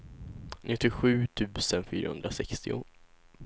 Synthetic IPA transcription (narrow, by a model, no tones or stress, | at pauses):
nʔɪt̪ːɪɧʉ̟ːt̪ʰʉ̟ːsənfy̰ːɾahɵ̰nd̪ɾasɛkst̪ɪʊ̰